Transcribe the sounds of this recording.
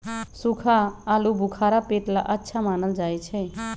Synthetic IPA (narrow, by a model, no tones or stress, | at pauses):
sukʰaːlubʱukʰaɾapeʈla̰ʔətːʃʰamaːnəld͡ʒajt͡ʃʰɛ